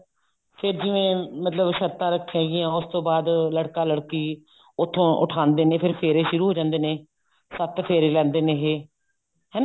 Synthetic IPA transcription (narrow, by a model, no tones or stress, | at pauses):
pʰɪɾd͡ʒɪʋẽːmət̪ləbʃəɾt̪ãːɾəkʰːãːɡɪãːʊst̪õːbaːd̪ləɽkaːləɽkiː | ʊt̪ʰːõːʔʊ̰ʈʰãːnd̪eːnẽːpʰɪɾpʰeːɾeːʃʊɾuːɦoːd͡ʒãːnd̪eːnẽː | sət̪pʰeːɾeːlɛ̃ːnd̪eːnẽːɦeː | ɦɛː